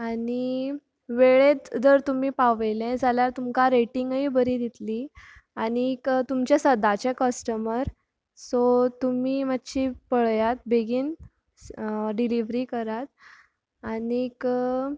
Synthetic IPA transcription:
ani | ʋeɭet̪dəɾt̪um̤iːpaʋelɛ̃d͡zʱaljaɾt̪umkaɾeʈiŋɡibəɾiːd̪it̪liaɽ̃ikt̪umt͡ɕasəd̪ʱat͡ɕekəsʈəməɾ | sot̪umiːmat̪ːɕipəɭjat̪̚beɡiːn | ɖiliʋɾiːkəɾat̪̚ | anik

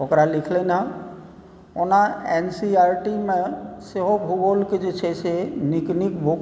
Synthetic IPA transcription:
okɾalɪkʰlenã | onãɛnsiaːɾʈimẽseɦobʱuɡolked͡ʒot͡ʃʰeseniknikbʱo

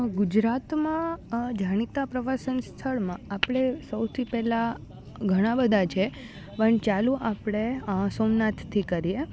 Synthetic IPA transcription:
ɡud͡ʒɾat̪mãd͡ʒʱaɽ̃it̪apɾəʋasənst̪ʰəɭmãapɽ̃esəwt̪ʰipɛla | ɡʱəɽ̃ãbəd̪ʱat͡ʃʰe | pəɳt͡ʃalũʔapɽ̃esomnat̪t̪ʰːikəɾie

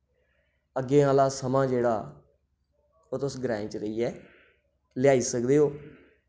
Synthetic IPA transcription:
əɡːẽːaːlaːsəmãːd͡ʒeːɽaː | oːt̪ʊsɡɾɛːɪ̃t͡ʃɾəiːɛː | ljaːiːsəkd̪eːoː

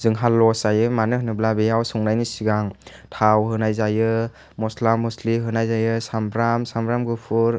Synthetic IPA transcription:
zɯŋɦalːɔsajɯmanɯɦɯnɯblabejawsɔŋnajnisiɡaŋ | tʰawɦɯnajzajɯ | mɔslamːɔsliɦɯnajzajɯsambɾamsambɾamɡɯpʰuɾ

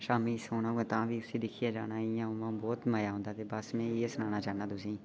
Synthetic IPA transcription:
ʃaːmĩsoːnãẽt̪ãːbʱiːʊsid̪ɪkʰijad͡ʒaːnaijãʊmãbɔːt̪maːjaːɦõnd̪aːt̪ebəsmẽjeːsʊnaːnaːd͡ʒaːnaːd̪ʊsĩː

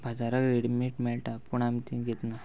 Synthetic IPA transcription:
bʱad͡zaɾakɾeɽmiʈmeɭʈapuɳamit̪ĩɡet̪na

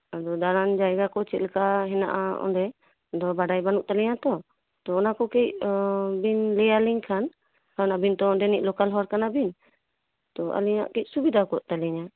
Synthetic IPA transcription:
ad̪ɔd̪aɾand͡ʒajɡakɔt͡ʃɛt̪lkaɦɛna̰ʔa̰ɔ̰nɖɛ | d̪ɔbaɖajbanuʔt̪alɛɲat̪ɔ | t̪ɔɔnakɔkɛcbinlɛaliŋkʰan | kʰanabint̪ɔɔɳɖɛniʔ̚ˀlɔkalɦɔɾkanabin | t̪ɔʔa̰liɲa̰ʔkic̚subid̪ʱakɔʔt̪alɛɲa

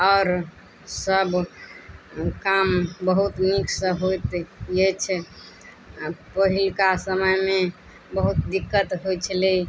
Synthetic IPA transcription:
ɔɾ | səb | kambəɦut̪niksəɦojt̪jet͡ʃʰ | pəɦilkasəməjme | bəɦut̪d̪ikːət̪ɦojt͡ʃʰəle

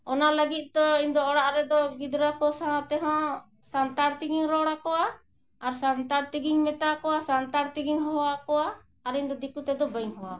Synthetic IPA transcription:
ɔnaləɡit̪̚ˀd̪ɔiɲd̪ɔɔɽaʔɾɛd̪ɔɡid̪ɾakɔsaɦãt̪ɛɦɔ̃ | sant̪aɾt̪iɡiŋɾɔɽakɔwaː | ɾsant̪aɾt̪iɡiŋmɛt̪akɔwasant̪aɾt̪iɡiŋɦɔwakɔwaː | ɾiɲd̪ɔd̪ikut̪ɛd̪ɔbəɲɦɔwa

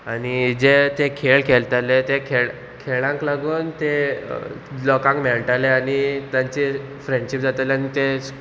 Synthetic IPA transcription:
aɽ̃id͡zet̪ekʰeɭkʰelt̪alet̪ekʰeɭ | kʰeɭãŋklaɡuːnt̪e | lɔkãŋkmeɭʈaleaɽ̃it̪jaɲt͡ɕe | fɾeɳɖɕip̚d͡zat̪alanit̪e

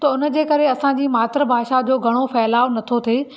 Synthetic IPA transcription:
t̪ɐʊnə̆d͡ʑeːkɐɾeɐsãd͡ʑiːmaːt̪ɾəbʱaːʃad͡ʑoːɡʱɐɽ̃ofɛːlaːʋnɐt̪ʰot̪ʰeː

